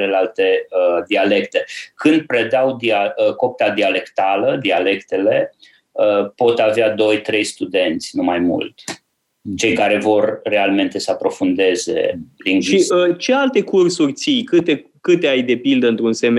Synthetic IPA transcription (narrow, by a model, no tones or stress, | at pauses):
le̞lalt̪e̞əd̪iale̞kt̪e̞kɨnd̪̚pɾed̪awd̪iaəko̞p̚t̪ad̪iale̞kt̪aləd̪iale̞kt̪e̞le̞ | əpo̞t̪avead̪o̞jt̪ɾe̞jst̪ud̪e̞nt̪sʲnumajmṵlt̪ | t͡ʃe̞jkaɾe̞vo̞rːe̞alme̞nt̪e̞səapɾo̞fund̪e̞ze̞̰pɾinʃiət͡ʃe̞alt̪e̞kursurʲt̪sijkɨt̪e̞ | kɨt̪eajd̪e̞pild̪əɨnt̪ɾunsem